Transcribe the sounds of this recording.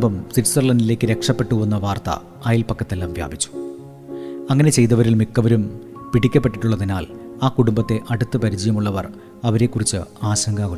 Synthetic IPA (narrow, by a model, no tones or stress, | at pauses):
bɐmsiʈsɐrlɐnile̞ːkːɨɾe̞kʂɐpːe̞ʈːuʋunːɐʋaːrt̪ɐ̰ | aːjilpɐkːɐt̪ːelːɐmʋja̰ːbʱit͡ɕːu̥ | ɐŋːɐne̞t͡ɕe̞jt̪̬ɐʋɐɾilmikːɐʋɐɾumpiɽikʲːɐpːe̞ʈːiʈːuɭːɐðinaːlaːkuɽumbɐt̪ːe̞ʔɐɽut̪ːɨpɐɾid͡ʑɐjɐmuɭːɐʋɐr | ɐʋɐɾe̞kːurit͡ɕːɨaːɕɐŋɡʱaːɣu